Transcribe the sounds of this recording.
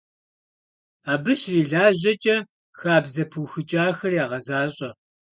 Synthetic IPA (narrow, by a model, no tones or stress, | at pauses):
aːbɨʃriːɮaːʑɐt͡ʃʼɐ | xaːbzɐpʰuwxɨt͡ʃʼaːxɐrjaːʁɐzaːɕʼɐ